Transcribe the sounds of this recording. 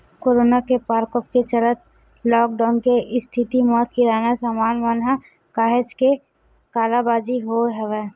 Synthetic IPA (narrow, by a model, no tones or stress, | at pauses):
koːɾoːnakepaːɾkəp̚ket͡ʃəɾət̪̚ | lɔːkɖaːʊnkeʔɪst̪ʰɪt̪imakiɾaːnasaːmaːnʋanɦa | kaːɦed͡ʒke | kaːlabaːd͡ʒiɦoɦɛʋɛː